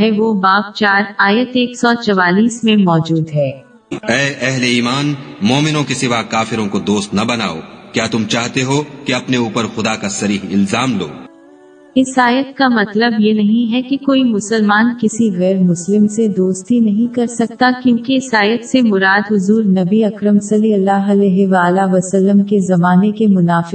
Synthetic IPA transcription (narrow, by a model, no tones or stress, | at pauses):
ɦɛʋobaːpt͡ʃaːɾaːjət̪eːksɔt͡ʃɐʋaːliːsmẽmɔːd͡ʒuːd̪ɦɛː | ɛːʔɛɦleiːmaːnmɔːmɪnõkisɪʋakaːfɪɾõkod̪oːst̪nɐbɐna̰ːo̰ːkjaːt̪ʊmt͡ʃaːɦt̪eɦokeɐpneuːpəɾxʊd̪akasɐɾiːɦɪlzaːmlo̰ː | ɪsaːjət̪kamɐt̪ləbjenɐɦĩɦɛkikoːimʊsəlmaːnkɪsiɣɛːɾmʊslɪmsed̪oːst̪inɐɦĩkɐɾsɐk̚t̪akjõːkeɪsaːjət̪semʊɾaːd̪ɦʊzuːɾnɐbiɐkɾəmsɐliɐlːaːɦɐlɛːɦɪʋaːlaʋɐsɐlːəmkezɐmaːnekemʊnaːfɪ